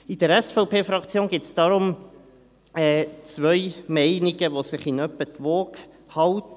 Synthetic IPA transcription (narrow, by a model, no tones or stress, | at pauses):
id̥̪əɾɛsfɔʊpeːfɾɑkt͡sjoːnɡɪtsd̥ɑɾʊm | ɛːt͡sʋœʏmɛɪniɡəʋosɪχɪnœpːətʋoːk | hɑwt